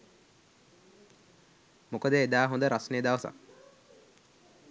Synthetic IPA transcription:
mokəd̪əed̪aːɦond̪əɾasnəjəd̪aʋəsa̰k

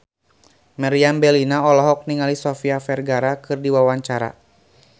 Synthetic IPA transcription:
maɾiambɛlinaɔlɔɦɔk̚niŋalisɔfiafɛrɡaɾakɨrdiwawaɲt͡ʃaɾa̰

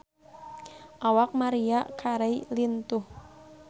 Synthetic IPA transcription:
ʔawak̚maɾiakʰaɾeilint̪uh

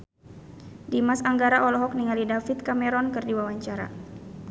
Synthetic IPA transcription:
dimasaŋɡaɾaʔɔlɔɦɔk̚niŋalidafit̪̚kamɛɾɔnkɨrdiwawaɲt͡ʃaɾa̰

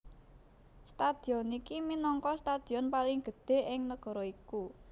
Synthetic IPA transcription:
st̪ad̪̥iɔnikiminɔŋkɔst̪ad̪̥i̤ɔnpalɪŋɡ̥ə̤d̪̥e̤ʔɪŋnəɡ̥ɔ̤ɾɔiku

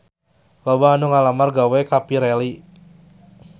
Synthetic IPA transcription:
lɔbaːnuŋalamarɡawɛkapiɾeli

